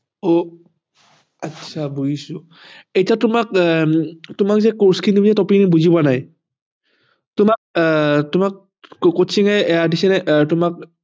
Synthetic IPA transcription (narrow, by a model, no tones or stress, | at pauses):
ɔ | atsʰabujisʊ | ejtatʊmak̚ | tʊmak̚zɛkɔɹskʰindibizɛtɔpinibuzibanaj | tʊmak̚tʊmak̚ | kosiŋɛɛadisɛnɛʔtʊmak̚